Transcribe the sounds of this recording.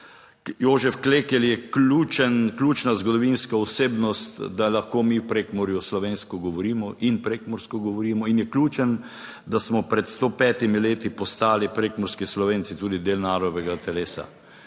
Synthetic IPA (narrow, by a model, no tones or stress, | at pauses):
joːʒɛfkleːkɛljɛkluːt͡ʃənklʲuːt͡ʃnazɡɔd̪ɔʋinskaɔseːbnɔst̪d̪alaxkoːmiːwpɾeːkmɔɾjuslɔʋeːnskɔɡɔʋɔɾiːmɔʔinpɾekmɔɾskɔɡɔʋɔɾiːmɔinjɛklʲuːt͡ʃən | d̪asmɔpɾɛt̪st̪opɛːt̪imileːt̪ipɔst̪aːlipɾekmɔɾskislɔʋeːntsit̪uːd̪id̪eːlnaːɾɔd̪ɔʋɛɡat̪ʰɛleːsa̰